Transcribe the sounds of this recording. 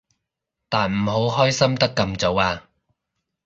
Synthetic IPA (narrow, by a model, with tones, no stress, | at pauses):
t̪aː˨nm̩˨˩ɦo˨˥wɦɔː˥jsɐ˥mt̪ɐ˥kːɐ˧mt͡so˨˥waː˧